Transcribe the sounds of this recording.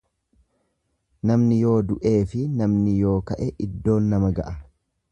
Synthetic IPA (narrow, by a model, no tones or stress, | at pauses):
nɐmnɪjo̞ːd̪ʊʔe̞ːfɪnɐmnɪjo̞ːkɐʔɛʔɪd̪ːo̞ːnːɐmɐɡɐʔɐ